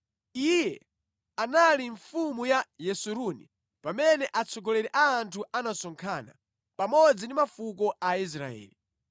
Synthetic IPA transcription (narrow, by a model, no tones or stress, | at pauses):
ijɛ | analiɱfumujajɛsuɾuni | pamɛnɛʔat͡sʰɔɡɔlɛɾɛʔaːntʰuʔanasɔŋkʰana̰ | pamɔd͡zindimafuk̬ɔʔais̬ɾa̰ɛ̰ːli